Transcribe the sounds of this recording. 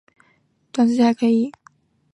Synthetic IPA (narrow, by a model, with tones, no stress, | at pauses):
t̪wa˥ns̩˥t͡ɕxa˧˥ɪkʰɤ˧˥i˧˩˦